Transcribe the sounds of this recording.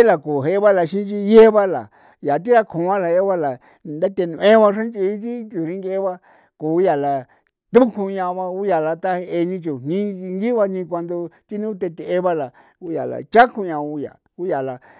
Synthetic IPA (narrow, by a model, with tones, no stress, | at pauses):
e˦la˨ko˨ɦe˧˦βa˦la˧ʃĩ˦t͡ʃi˧je˦βa˦la̰˨ | ja˨t̪̬i˦ɾa˧kʰõ˨˦ã˦la˨je˦βa˦la˨ | nd̪a˦t̪e˧nũ˧ʔẽ˦βa˧ʂã˦nt͡ʃi˧˦t̪̬i˦tu˨ɾi˦ŋɡe˦βa˧ | ko˨˦ja˨la˨ | t̪u˦kʰũ˧ɲã˧βa˧u˦ja˨la˧t̪a˦he˧e˧nĩ˧t͡ʃu˨n̥ĩ˦i˧ŋɡi˦βa˧nĩ˧k̬ʷa˧nd̪o˧t̪i˦nũ˦t̪e˧t̪e˧e˧βa˦la˨ | u˧˦ja̰˨la̰˨t͡ʃa˦kʰu˧ɲã˧u˧ja̰˨ | u˦ja˨la˨